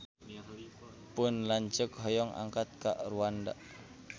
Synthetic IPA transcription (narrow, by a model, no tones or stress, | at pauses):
pʊnlaɲt͡ʃəkɦɔjɔŋa̰ŋkat̪̚kaʔruanda̰